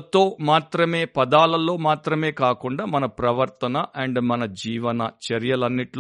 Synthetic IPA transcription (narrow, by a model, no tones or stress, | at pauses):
t̪o̞ːmaːt̪ɾɐme̞ːpɐd̪aːlɐlo̞ːmaːt̪ɾɐme̞ːkaːkuɳɖaːmɐnɐpɾɐʋɐɾt̪ɐnɐʔɐɳɖmɐnɐd͡ʒiːʋɐnɐt͡ʃɐɾjɐlɐnːiʈl